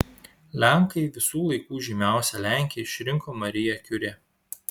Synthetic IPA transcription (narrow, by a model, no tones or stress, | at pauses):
lʲæŋˑkɐɪʋʲɪsuːlˠɐɪkuːʒʲɪmʲæˑʊsʲɛlʲæˑŋʲkʲɪjɛɪʃʲɾʲɪŋˑkoːmɐɾʲɪjɛkʲʊɾʲe